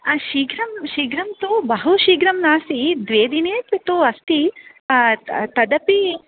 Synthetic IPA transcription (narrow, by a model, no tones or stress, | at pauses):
ʃiːɡɾɐmʃiːɡɾɐmt̪ubɐɦuʃiːɡɾɐmnaːsid̪ʋeːd̪ineːt̪ʋit̪uɐst̪i | t̪ɐd̪ɐpi